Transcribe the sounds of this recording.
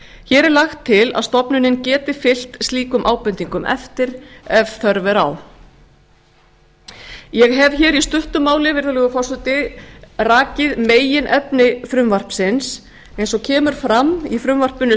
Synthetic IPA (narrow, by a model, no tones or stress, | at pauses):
çɛːɾɛɾlaxt̪ʰːɪla̰ðst̪ɔpnʏnɪncɛːt̪ɪfɪl̥t̪st̪liːkʏmʔaːwpʏnt̪iŋkʏmʔɛ̰ft̪ɪɾɛvθœɾvɛɾa̰w | jɛɣɦɛvçɛːɾist̪ʏht̪ʏmaːwlɪvɪɾðalɛːɣʏfawsʏt̪ɪraːcɪðmeːjɪnʔɛpnɪfɾʏmvar̥psɪns | ejnsɔcʰɛːmʏɾ̥fɾamːifɾʏmvar̥pʏnʏ